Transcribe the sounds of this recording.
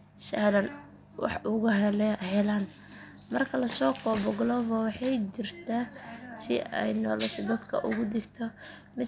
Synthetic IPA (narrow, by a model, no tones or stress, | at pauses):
sɐlɐn | wɑ̰ħʊɣʊɦhɛlaːn | mɐrkʰɐlɐsɔːkʰɔːbɔɡlɔvɔwɑħɑjt͡ʃɪrt̪ʰasɪ̰ɛ̰jnɔ̰ːlɛt̪ʰɔd̪ɐd̪kʰɐʔʊ̰ɣʊd̪ɪɡt̪ʰɔmɪ